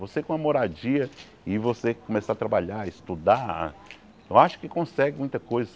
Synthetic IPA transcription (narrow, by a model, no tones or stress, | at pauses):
vosekõɐmoɾad͡ʒiɐ | ɪvosekomesaɐt̪ɾabaʎaist̪ud̪ã | t̪ɐ̃aʃʊ̥kɪkõsɛɡɪmũj̃t̪ɐkojzɐ